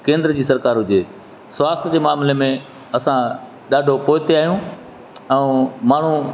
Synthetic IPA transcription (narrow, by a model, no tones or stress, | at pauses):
kẽːnd̪ɾəd͡ʑiːsɐɾkaːɾɦʊd͡ʑeː | sʋaːst̪ʰəd͡ʑeːmaːmlemẽ | ɐsã | ɗaːɖʱopoːɦɪt̪eaːɦijũː | ɛ̃maːɳ̤ũ